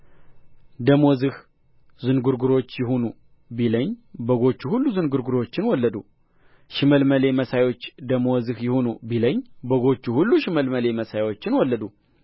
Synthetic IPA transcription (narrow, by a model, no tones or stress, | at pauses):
d̪əmo̞zɨh | zɨnɡuɾɡuɾo̞t͡ʃːjɪhonu | biləɲːbəɡo̞t͡ʃːuhulːuzɨnɡuɾɡuɾo̞t͡ʃːɪnwɔlːəd̪u | ʃɨməlməle̞məsajwo̞t͡ʃːd̪əmozɨhjɪhonubiləɲːbəɡo̞t͡ʃːuhulːuʃɪməlməle̞məsajwo̞t͡ʃːɪnwɔlːəd̪u